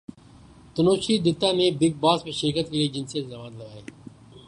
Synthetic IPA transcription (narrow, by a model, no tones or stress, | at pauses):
t̪ʊnoːʃiːd̪ɪt̪ːãːneːbɪk̚baːspeʃɪɾkət̪kelieːd͡ʒɪnsijət̪zɐʋaːd̪lɐɡaːeː